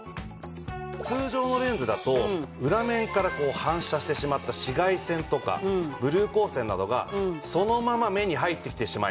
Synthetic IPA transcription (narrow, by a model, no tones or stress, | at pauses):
t͡sɨːʑo̞ːno̞ɾẽ̞nd͡zɨd̪at̪o̞ɯ̟ɾamẽ̞ŋkaɾako̞ːhãɰ̃ɕaɕi̥t̪e̞ɕimat̪ːaɕiɡaisẽ̞nt̪o̞ka̰bɯ̟ɾɯ̟ːko̞ːsẽ̞nːad̪o̞ɡa̰so̞no̞mamame̞ɲ̟iɦait̪ːe̞kʲi̥t̪eɕima̰i